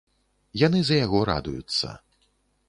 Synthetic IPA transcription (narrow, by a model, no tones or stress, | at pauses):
janɨzɐjaɣɔɾa̰d̪ujut̪sːɐ̰